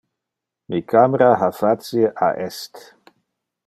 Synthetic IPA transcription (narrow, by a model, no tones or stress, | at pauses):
mikʰameɾaɦafat͡sieʔa̰ʔɛst̪